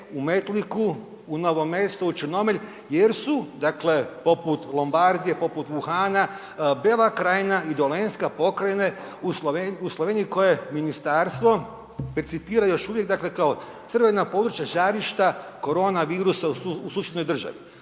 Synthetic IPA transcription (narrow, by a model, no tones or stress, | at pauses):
ume̞t̪liku | uno̞ʋo̞me̞st̪out͡ʃɨno̞meʎʲ | jeɾsud̪akle̞po̞put̪lˠombaɾd̪ije̞po̞put̪ʋuxaːna | beːlˠakɾaːjnaid̪o̞lenskapo̞kɾene̞ | usloʋenuslˠo̞ʋeːniko̞je̞minist̪aɾst̪ʋo̞ | peɾt̪sipiːɾajo̞ʃuʋjekɡd̪akle̞kao̞ | t̪srʋe̞napo̞d̪ɾut͡ʃjaʒaɾiʃt̪ako̞ɾo̞ːnaʋiːɾusausuːsjed̪no̞jd̪r̩ʒa̰ʋi